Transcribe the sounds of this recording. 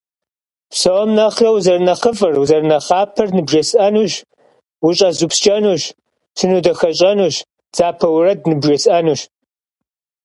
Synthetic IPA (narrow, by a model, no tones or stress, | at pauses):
psɐwɔmnɐχrɐwzɐrnɐχəfʼɐrwzɐrnɐχɑːpʰɐrnɨbʒɐsʔɐnuːʒ | wʊɕʼɐzupst͡ʃʼɐnuːʃ | tʰɨnudɐxɐɕʼɐnuːɕ | d͡z̥aːpʰɐwrɐd̚nɨbʒɐsɐnuːɕ